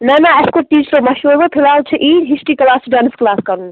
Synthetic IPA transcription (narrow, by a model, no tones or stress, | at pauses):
nɐnaɐskoʈiːsɾomɐʃuɾbop̪ʰilaːut͡ʃʰiʔiːɦisʈiklaːsɖaːnsklaːskɐɾũ